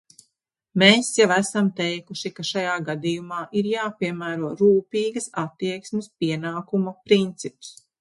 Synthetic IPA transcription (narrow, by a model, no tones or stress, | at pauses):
meːsjavæsamt̪ɛjkuʃikaʃajaːɡad̪ijumaːʔiɾjaːpʲiɛmæːɾuɔɾuːpiːɡɐsat̪ːiɛksmɪspiɛnaːkumɐpɾint̪sips